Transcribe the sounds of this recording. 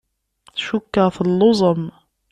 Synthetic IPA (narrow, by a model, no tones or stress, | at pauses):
θʃukːəʁθəlːozˤəm